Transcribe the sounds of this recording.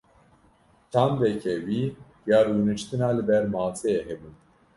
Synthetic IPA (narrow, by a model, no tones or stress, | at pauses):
t͡ʃʰaːnd̪ɛkʰɛwiː | jaːɾunɨt͡ʃt̪ɨnaːlɨbɛɾmaːt͡sʰɛjɛɦɛbun